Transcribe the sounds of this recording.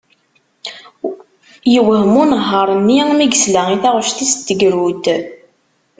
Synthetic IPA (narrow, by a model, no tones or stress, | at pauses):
jəwəhmunəɦːəɾˤənːimiɡəslæiθæʁəʃt̪ist̪ːəɡɾut̪